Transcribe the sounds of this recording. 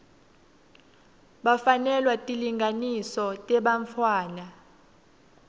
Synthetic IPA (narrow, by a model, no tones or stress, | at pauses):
ɓafanɛlwatʼiliŋɡʱanisɔtʼɛɓaɱfʰwaːna